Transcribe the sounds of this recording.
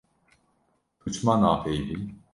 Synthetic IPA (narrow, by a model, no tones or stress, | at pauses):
d̪̥ʰut͡ʃmanaːfejd̪in